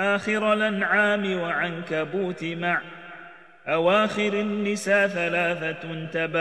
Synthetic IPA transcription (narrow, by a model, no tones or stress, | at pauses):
ʔaːxɪɾalʔanʕaːmɪwaʕankabuːt̪ɪmaʕ | ʔawaːxɪɾanːɪsaːθalaːθant̪aba